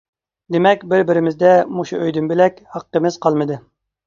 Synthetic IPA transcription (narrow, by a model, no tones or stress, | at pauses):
d̪emɛkʲbɪɾbɪɾɪmɪzd̪ɛmuʃuʔøjd̪ymbɪlɛkʲhɑqːəmɪzqʰɑlˠmɨd̪ɨ